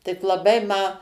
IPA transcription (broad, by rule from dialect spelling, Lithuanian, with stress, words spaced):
tʲɪk lˠɐˈbɐɪ mɐ